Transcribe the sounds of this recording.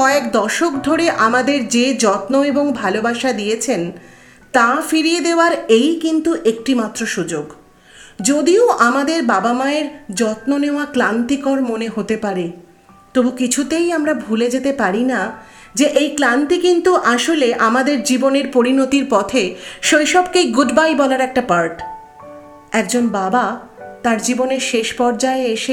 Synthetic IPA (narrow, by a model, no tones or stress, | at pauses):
kɔekd̪ɔʃokd̪ʱoɾeʔamad̪eɾd͡ʑed͡ʑɔt̪noeboŋbʱalobaʃad̪ijet͡ɕʰen | t̪afiɾijed̪eoaɾejkint̪uʔek̚ʈimat̪ːɾoʃud͡ʑoɡ | d͡ʑod̪ioʔamad̪eɾbabamaeɾd͡ʑɔt̪noneoaklant̪ikɔɾmoneɦot̪epaɾe | t̪obukit͡ɕʰut̪ejamɾabʱuled͡ʑet̪epaɾina | d͡ʑeʔejklant̪ikint̪uʔaʃoleʔamad̪eɾd͡ʑiboneɾpoɾinot̪iɾpɔt̪ʰeʃojʃɔb̚keɡuɖbajbɔlaɾɛk̚ʈapaɾʈ | ɛk̚d͡ʑonbaba | t̪aɾd͡ʑiboneɾʃeʃpɔɾd͡ʑaeeʃe